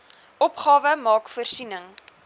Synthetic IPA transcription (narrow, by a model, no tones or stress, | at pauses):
ʔɔpχɑːvəmɑːkfərsinəŋ